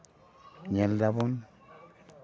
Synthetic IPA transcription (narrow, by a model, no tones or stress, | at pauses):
ɲeldabon